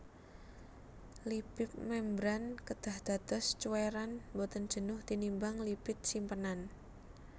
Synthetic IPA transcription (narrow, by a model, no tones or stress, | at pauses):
libɪp̚mɛmbɾankəd̪̥a̤hd̪̥a̤d̪ɔst͡ʃuweɾanmbɔt̪ənd̥ʒ̥ə̤nʊht̪inimbaŋlipɪt̪̚simpənan